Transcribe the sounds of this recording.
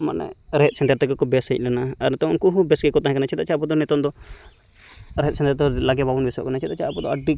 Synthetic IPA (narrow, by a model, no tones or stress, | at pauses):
ma̰nɛ̰ɾɛɛt̪̚sɛɳʈɐɾt̪ɛkɔkɔbɛsəic̚ˀlɛnaaɾɛt̪ɔunkuɦubɛsɡɛkɔt̪aɦɛ̃kanat͡ʃʰit̪at͡ʃʰapɔd̪ɔnɛt̪ɔnd̪ɔ | ɾɛɦɛt̪̚sɛɳʈəɾt̪ɔlaɡɛbabunbɛsɔ̰ʔkɔnat͡ʃʰit̪at͡ʃʰaapɔd̪ɔaɖi